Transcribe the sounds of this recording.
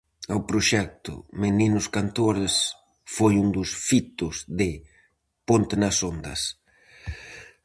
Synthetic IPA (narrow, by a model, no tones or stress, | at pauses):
awpɾoʃɛk̚t̪ʊ̰meninʊskant̪oɾes | fojund̪ʊsfit̪ʊzðɪ | pont̪enɐsond̪ɐ̰s